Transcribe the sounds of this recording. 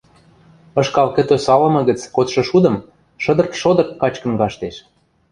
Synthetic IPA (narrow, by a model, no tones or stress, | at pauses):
ɤ̆ʃkɑlkə̆t̪osɑlɤ̆mɤ̆ɣə̆t͡skot̪ʃɤ̆ʃud̪ə̆m | ʃɤ̆d̪ɤ̆rt̪ʃod̪ɤ̆rt̪̚kɑt͡ɕkə̆nɣɑʃt̪eʃ